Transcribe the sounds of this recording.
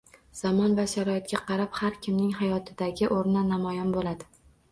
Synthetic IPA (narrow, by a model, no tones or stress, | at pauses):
z̥amɒnvaʃaɾɒɪt̪̚kʲaqʰɑɾaphaɾkʲʰɪmnɪŋɦajɒt̪ʰɪd̪aɡʲɪʔoɾnanamɒjanbolad̪ɪ